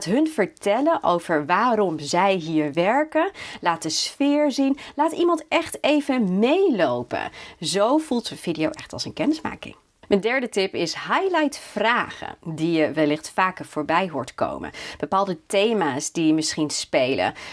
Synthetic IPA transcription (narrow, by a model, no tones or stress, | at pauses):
atɦɵnv̥əɹtɛlənʔowv̥əɹʋaːɾɔmzɛjɦiːɹʋɛɹkənlaːt̚dəsfɪːɹzinlaːtimɑntɛχtejvəmejlowpə̰nzowvulˠtəv̥idijowʔɛχtɑ̰lˠsənkɛnɪsma̰ːkɪ̰ŋ | məndɛɹdətɪpɪsɦajlajtfraːχə̰dijəʋɛlɪχtfaːkəv̥ʊːɹbɛjɦʊ̰ːɹtko̰wmə̰nb̥əpaːlˠdətejmaːsdiəmɪsχinspejlə̰